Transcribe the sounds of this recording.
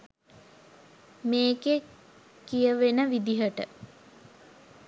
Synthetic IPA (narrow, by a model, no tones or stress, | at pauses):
meːke | kijəʋenəʋid̪iɦəʈə̰